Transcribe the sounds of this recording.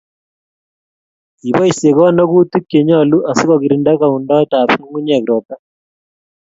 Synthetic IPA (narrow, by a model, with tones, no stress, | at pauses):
i˨βɔ˦i˦se˨kɔ˦nɔ˦ku˦tu˦kːe˨ɲɔ˦˨lu˦ʔa˨si˦ko˨ki˨ɾinda˦ka˨undɔ˦ta˨pŋu˦ɲa˨kɾɔ˨pa˦